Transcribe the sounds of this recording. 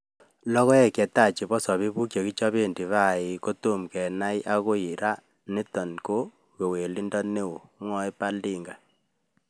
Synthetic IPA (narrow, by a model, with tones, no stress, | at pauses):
lɔ˦ɣɔ˦ɛ˦˨kɛ˨ta˦˨t͡ʃi˨bɔ˦sɔ˨βi˦bu˦kjɔ˨ki˦t͡ʃɔ˦βe˦˨ndi˨βa˦˨ɪ˨ko˦tu˦˨mkɛ˨na˦jʔa˦ko˦i˨ɾa˦ | ni˦tɔ˨nko˦ | ke˨we˨li˦ndɔ˦ne˦o˨˦ŋɔ˦e˦pa˦ldi˦ŋɡa˨